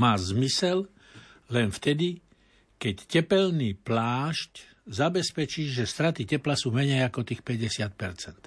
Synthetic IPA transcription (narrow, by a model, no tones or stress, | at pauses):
maːzmisɛl | lɛnft̪ɛd̪i | kɛccɛpɛlniːplaːʃc | zabɛspɛt͡ʃiːʒɛst̪ɾat̪icɛplasuːmɛɲɛjakɔt̪iːxpɛɟɛsɪat̪̚pɛɾt͡sɛnt̪